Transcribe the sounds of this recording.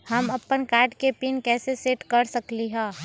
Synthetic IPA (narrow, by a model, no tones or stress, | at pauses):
hɐmɐpːənkaːɾɖkepiːnkɛːseseːʈkɐɾsɐkliɦɛ̃ː